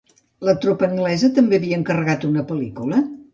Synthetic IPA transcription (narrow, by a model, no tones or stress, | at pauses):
lət̪ɾopəːŋɡlɛzət̪əmbeəβiəŋkərəɣat̪unəpəlikulə